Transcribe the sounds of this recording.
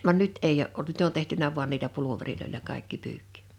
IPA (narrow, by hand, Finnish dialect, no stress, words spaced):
ʋɑn nyt eij oʔ ʔolt nyt on tehtynæ ʋuɑn niːlæ puluʋeriloilʲɑ kɑˑe̝kːi pyːkːi̥